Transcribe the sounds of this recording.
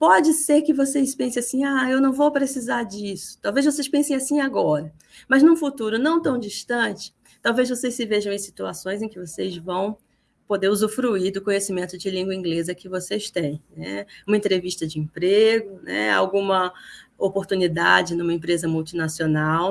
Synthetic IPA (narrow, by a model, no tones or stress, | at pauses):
pɔd͡ʒɪseɾkɪvosespẽsẽasĩaewnɐ̃w̃vowpɾesizaɾd͡ʒisʊ̥t̪awvejzvos̬ejʃpẽsẽj̃asĩaɡɔɾɐ | mɐznũfut̪uɾʊnɐ̃w̃t̪ɐ̃w̃d͡ʒiʃt̪ɐ̃t͡ʃɪ̥ | t̪awvejzvosejssɪveʒɐ̃w̃ẽsi̥t̪uasõj̃zẽj̃kɪvosezvɐ̃w̃ | pod̪eɾuzufɾuid̪ʊkõɲesimẽnt̪ʊd͡ʒɪlĩɡwɐĩŋɡlezɐkɪvosest̪ẽj̃nɛ̰ũmɐẽnt̪ɾeviʃt̪ɐd͡ʒɪẽpɾeɡʊnɛ̰a̰wɡũmɐopoɾt̪unid̪a̰d͡ʒɪnũmɐẽpɾezɐmuwt͡ʃinasionaw